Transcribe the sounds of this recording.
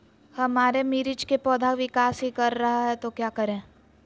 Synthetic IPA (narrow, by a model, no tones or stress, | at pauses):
hɐmaːɾemiːɾɪt͡ʃkepɔːd̪ʱaʋɪkaːsɦikɐɾːɐɦaɦɛt̪okjaːkɐɾẽː